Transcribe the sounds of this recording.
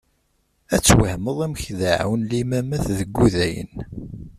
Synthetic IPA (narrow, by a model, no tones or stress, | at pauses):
æt͡sːwəhməðˤæmçðaʕ̰wənlimæmæθðəɡːuðæjə̰n